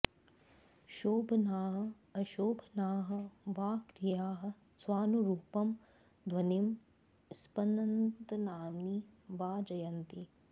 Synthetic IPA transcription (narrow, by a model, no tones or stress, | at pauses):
ʃoːbʱɐnaːɦɐ̆ | ɐʃoːbʱɐnaːɦɐ̆ʋaːkɾijaːɦɐ̆ | swaːnuɾuːpɐm | d̪ʱwɐnim | spɐnɐnt̪ɐnaːmniʋaːd͡ʒɐjɐnt̪i